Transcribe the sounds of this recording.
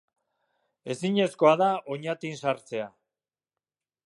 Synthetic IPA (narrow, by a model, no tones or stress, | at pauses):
e̞siɲe̞sko̞aðao̞ɲat̪insaɾt͡se̞a